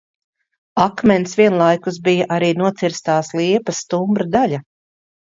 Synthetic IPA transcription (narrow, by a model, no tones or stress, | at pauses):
akmɛnsviɛnlˠajkus̬bijaʔaɾiːnuɔt̪siɾst̪aːslˠiɛpɐst̪umbɾad̪alʲa